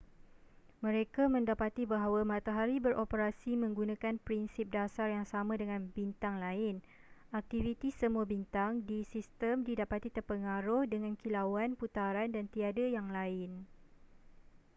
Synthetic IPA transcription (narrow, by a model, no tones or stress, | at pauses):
mə̃ɾekamə̃ndapat̪ibaɦawamãt̪aɦaɾibəɾʔopəɾasimə̃ŋɡunãkanpɾinsip̚dasarjaŋsamãdəŋãnbint̪aŋlaɪn | ak̚t̪ivit̪isəmũabint̪aŋdisist̪əmdidapat̪it̪ərpəŋaɾʊhdəŋãnkilawanput̪aɾandant̪iadajaŋlaɪn